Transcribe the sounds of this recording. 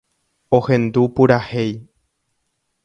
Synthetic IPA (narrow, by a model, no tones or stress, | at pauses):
ohẽ̞nd̪upuɾahe̞j